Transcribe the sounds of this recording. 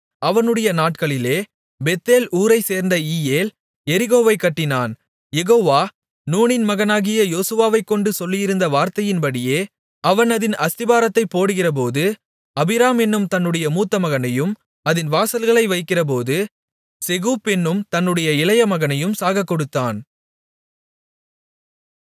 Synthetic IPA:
ɐʋɐnɯɽɐjɐnaːʈ̚kɐɭɪleː | bɛt̪ːeːlʔuːɾɐɪseːɾnd̪ɐiːjeːl | ɛɾɪɣoːʋɐɪkːɐʈːɪnaːn | jɛɣoːʋaː | nuːnɪnmɐɣɐnaːɣɪjɐjoːsɯʋaːʋɐɪkːɔɳɖɯsɔlːɪjɪɾɯnd̪ɐʋaːɾt̪ɐjɪnpɐɽɪjeː | ʔɐʋɐnɐðɪnɐst̪ɪbaːɾɐt̪ːɐɪpːoːɽɯɣɪrɐp̬oːðɯ | ɐbɪɾaːmɛnːɯmt̪ɐnːɯɽɐjɐmuːt̪ːɐmɐɣɐnɐjɯm | ɐðɪnʋaːsɐlɣɐɭɐɪʋɐɪkːɪrɐp̬oːðɯ | sɛɣuːpːɛnːɯmt̪ɐnːɯɽɐjɐɪlɐjɐmɐɣɐnɐjɯmsaːɣɐkːɔɽɯt̪ːaːn

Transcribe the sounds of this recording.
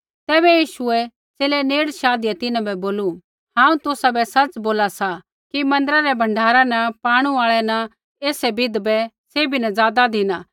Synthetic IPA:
t̪ɛːbɛjiːʃʊɛ | t͡seːlɛneːɽʃaːd̪ɪjat̪ɪnãbɛboːlu | hãːũt̪ʊsabɛsɐt͡ʃboːlasa | kimɐ̃nd̪əɾaɾɛbʱɐ̃ɳɖʱaːɾanɐpaːɽ̃uaːɭɛnɐ | eːsɛbɪd̪bɛ | seːbinɐd͡zaːd̪ad̪ʱɪnaː

